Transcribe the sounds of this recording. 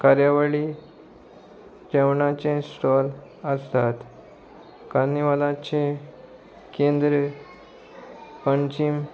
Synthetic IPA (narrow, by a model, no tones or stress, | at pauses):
kaɾjaʋəɭi | d͡ʑəʋɳat͡ɕẽsʈ̪ɔl | əst̪at̪ | kanːiʋalãt͡ɕẽ | kẽnd̪ɾə | pəɲt͡ɕim